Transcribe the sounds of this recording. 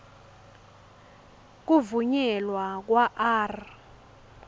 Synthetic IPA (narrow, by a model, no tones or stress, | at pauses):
k̬uvuɲɛlwak̬ʼwaʔaːr